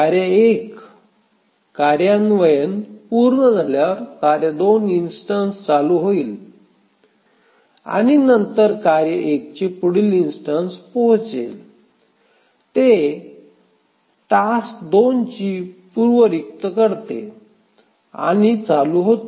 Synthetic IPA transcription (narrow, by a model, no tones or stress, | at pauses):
aɾjəek | kːaɾjanʋəjənpuɾɳəd͡zʱaljaɾkaɾjad̪oninsʈənst͡saluɦoiːl | a̰ñinənt̪əɾkaɾjəʔek̚t͡ɕepuɽilinsʈənspɔɦt͡sḛl | t̪e | ʈasd̪ont͡ɕipuɾʋəɾik̚t̪əkəɾt̪ḛ | a̰nit͡saluɦot̪o